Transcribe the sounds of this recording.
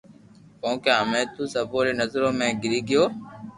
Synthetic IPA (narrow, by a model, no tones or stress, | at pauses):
põːkjãːəmẽːt̪uːsəːpoːɾeːnəzɾõːmẽːɡɪɾiːɡɪjoː